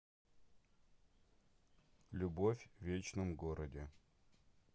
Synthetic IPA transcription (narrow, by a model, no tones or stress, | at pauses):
lʲʊbofʲvʲet͡ɕnəmɡoɾədʲɪ